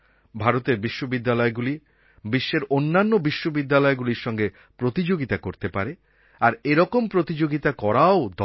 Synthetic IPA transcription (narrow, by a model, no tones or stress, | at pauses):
bʱaɾot̪eɾbiʃːobid̪ːalɔeɡuli | biʃːeɾonːanːobiʃːobid̪ːalɔeɡuliɾʃɔŋɡe | pɾot̪id͡ʑoɡit̪akoɾt̪epaɾe | aɾeɾɔkompɾot̪id͡ʑoɡit̪akɔɾaod̪ʱ